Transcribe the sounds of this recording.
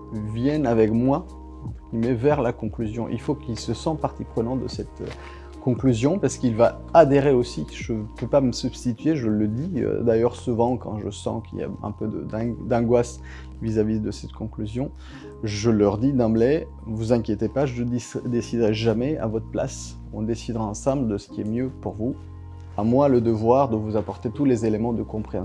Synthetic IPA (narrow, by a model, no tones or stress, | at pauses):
vjɛnavɛkmwa | ɑ̃t̪χəɡimɛvɛʁlakɔ̃klyzjɔ̃ʔḭlfokilsəsɑ̃paʁt̪ipχənɑ̃d̪ə̰sɛt̪ø̰ | kɔ̃klyzjɔ̃paʁsə̥kilva | ad̪eʁeositʒəpøpaməsybst̪it̪ɥeʒələd̪iø̰d̪ajœʁsuvɑ̃kɑ̰̃ʒəsɑ̰̃kḭlja̰ɛ̰̃pød̪ə̰d̪ɛ̃d̪ɑ̃ɡwas | vizavid̪əsɛt̪kʰɔ̃klyzjɔ̃ | ʒəlœʁd̪id̪ɑ̃blɛ | vuzɛ̃kʲjet̪epaʒəəd̪isd̪esid̪ʁɛʒamɛa̰vɔt̪χəpla̰s | ɔ̰̃d̪esid̪ʁaɑ̃sɑ̃bld̪əsə̥kʲiɛmjøpuʁvu | amwaləd̪əvwaʁd̪əvuzapɔʁt̪et̪ulezelemɑ̃d̪əkɔ̃pχeɑ̃